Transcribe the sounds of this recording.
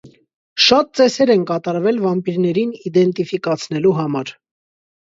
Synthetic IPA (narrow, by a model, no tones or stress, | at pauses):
ʃɑt̪̚t͡sɛsɛɾɛnkɑt̪ɑɾvɛlvɑmpiɾnɛɾinid̪ɛnt̪ifikɑt͡sʰnɛluɦɑmɑɾ